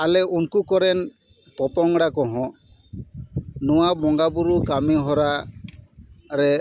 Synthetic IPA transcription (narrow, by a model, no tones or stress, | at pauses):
alɛʔunkukɔɾɛn | pɔpɔŋɽakɔɦɔ̃ | nuwabɔŋɡabuɾukamiɦɔɾa | ɾɛ